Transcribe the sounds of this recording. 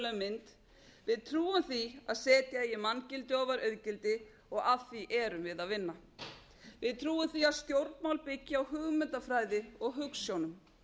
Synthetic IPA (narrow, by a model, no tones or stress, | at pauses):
lœmɪnt̪ | vɪðt̪ʰɾuːʏmθia̰ðsɛːt̪jɛːjɪmancɪlt̪ɪɔːvaɾœɥðcɪlt̪ɪ | ɔɣaðθiʔɛɾʏmvɪðaðvɪnːa | vɪðt̪ʰɾuːʏmθiaðst̪jowɾt̪mawlpɪcːɪawɦʏɣmʏnt̪afɾaːjðɪɔɣɦʏksjownʏm